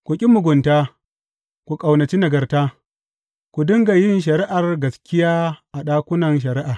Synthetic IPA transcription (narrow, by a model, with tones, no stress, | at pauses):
kʷu˨kʲʼi˦mʊ˨ɡʷʊ˨ntaː˦ | kʷu˨kʼa˨wnɐ˨t͡ʃi˦nɐ˨ɡɐ˨rtaː˦ | kʷu˨dʊ˦ŋɡa˨jɪ˦nʃ̬ɐ˨ɾi˦ʔa˨rɡɐ˨skʲɪ˦jaː˦ʔa˨ɗaː˦kʷʊ˦nɐ˨nʃ̬ɐ˨ɾi˦ʔaː˨